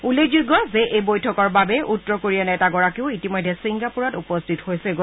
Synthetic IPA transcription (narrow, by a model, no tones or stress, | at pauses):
uled͡ʒuɡɔzɛʔejbojtʰɔkɔɹbabɛʔutːɹɔkoɹijanɛtaɡɔɹakiʊitimɔjdʱːɛsiŋɡapuɹatupɔstʰithojsɛɡo